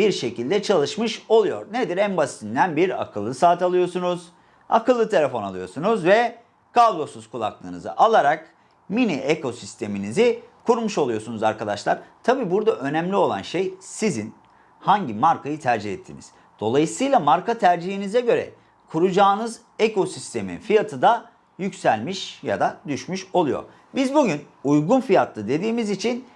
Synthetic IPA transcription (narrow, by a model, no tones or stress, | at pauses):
biɾʃe̞cʰilʲd̪ɛt͡ʃʰalˠɯʃmɯʃo̞lˠujo̞̰ɾned̪iɾæmbast̪ʰind̪ænbiɾa̰kʰɯlˠːɯsaːt̪alˠɯjo̞ɾsunuz̥ | a̰kɯlˠːɯt̪ʰelʲefo̞na̰lˠɯjo̞̰ɾsunuzvɛ | kʰablˠo̞suz̥kʰulˠa̰klˠɯ̰ːnɯzɯ̰ʔalˠaɾak | miniʔeko̞sist̪ʰe̞minizikʰuɾmuʃo̞lˠujo̞sunuzaɾkʰad̪aʃlˠaɾ̥t̪ʰabiːbuɾd̪aʔø̞næmlʲio̞lˠa̰nʃejsizin | haɲɟimaɾkʰajɯt̪ʰæɾd͡ʒihɛt̪ʰːḭnḭz̥ | d̪̥o̞lˠajɯsɯjlˠamaɾkat̪ʰæɾd͡ʒihinizɛɟø̞ɾɛ̰ | kʰuɾud͡ʒaːnɯz | eko̞sist̪ʰe̞mḭnfijat̪ʰɯd̪a | jycsælʲmiʃja̰d̪ad̪yʃmyʃo̞lˠujo̞̰ɾ | bizbuɟyn | ujɡunfijat̪ʰlˠɯd̪e̞d̪iːmizit͡ʃʰin